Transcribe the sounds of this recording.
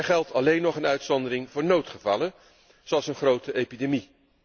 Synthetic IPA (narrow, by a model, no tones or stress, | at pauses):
ɛɹχɛlˠtʰɑlejnːɔχənœɥtsɔndərɪŋvʊːɹnowtχəvɑ̰lən | zowɑlˠsənχrowtəʔejpidemi